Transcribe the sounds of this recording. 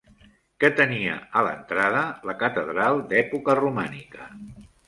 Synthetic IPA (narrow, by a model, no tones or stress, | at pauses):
kət̪əniə̰ələ̰nt̪ɾaðələkət̪əðɾalˠd̪ɛpukərumanikə